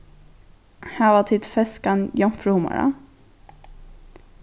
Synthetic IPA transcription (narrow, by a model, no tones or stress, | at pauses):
hæːʋɑt̪ʰɪt̪fɛskanjɔmfɾuma̰ɾa̰